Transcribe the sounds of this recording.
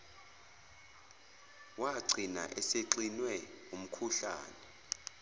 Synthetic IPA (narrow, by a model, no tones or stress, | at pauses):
waǀʱina̰ʔɛseǀinwɛum̩kʰuɬa̰ːnɛ